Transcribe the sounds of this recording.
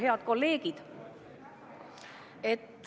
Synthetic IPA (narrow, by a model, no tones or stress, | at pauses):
ɦe̞ɑd̪̥ko̞lːe̞ːɡid̪̥ | e̞t̪ː